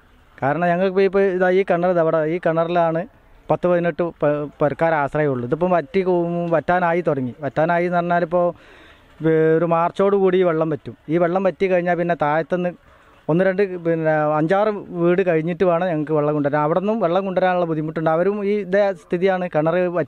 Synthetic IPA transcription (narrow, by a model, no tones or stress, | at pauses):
kaːɾɐɳɐmɲɐŋːɐɭkɨpoːjipːoiðaːiːkɐɳːɐriðɐʋiɽeiːkɐɳːɐrilaːɳɨ | pɐt̪ːɨpɐðineʈːɨppoɾɐkːaːɾaːsrɐjɐmuɭːuiðup̬ːɐmpɐtːikʋɐtːaːnaːjit̪orɐŋːiʋɐtːaːnaːjinɐrɐɲːaːlipːo̞ː | oɾumaːrt͡ɕo̞ːɽukuːɽiiːʋeɭːɐmpɐtːumiːʋeɭːɐmpɐtːikɐɻiɲːaːlpinːe̞t̪aːjɐt̪ːenːɨ | o̞nːɨɾe̞ɳɖɨɐɲd͡ʑaːrɨʋiːɽɨkɐɻiɲːiʈːuʋaːɳɨɲɐŋːɐɭkɨʋeɭːɐŋkuɳɖɐɾamɐʋiɽenːumʋe̞ɭːɐŋkuɳɖɐɾaːnuɭːɐbud̪ʱimːuʈːuɳɖɨɐʋɐɾumiːðest̪ʰiðijaːɳɨkɐɳɐrɨpɐtː